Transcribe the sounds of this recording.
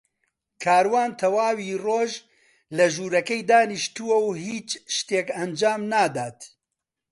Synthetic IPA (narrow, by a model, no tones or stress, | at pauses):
kʰaːɾwaːnt̪ʰɐwaːwiːroːʒ | lɐʒuːɾɐkɛjd̪aːniʃt̪uwɐwhiːt͡ʃʃt̪eːkɐnd͡ʒaːmnaːd̪aːt̪